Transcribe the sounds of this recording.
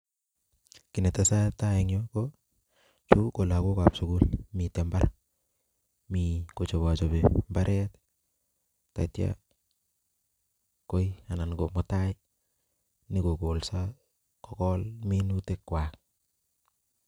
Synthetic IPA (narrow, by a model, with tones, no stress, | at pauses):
ki˨nɛ˨ta˨sa˦taɛŋjoko | t͡ʃu˦ko˨la˨ko˦ka˨psu˨ku˦lmitɛ˨mbaɾ | miko˨t͡ʃo˨βat͡ʃɔbembaɾʔɛt | ta̰˨tja̰ | ko˦ja˨na˨nkomɔtaj | ni˦ko˨ko˨lsa | kɔ˨kɔlminute˦kkwak̚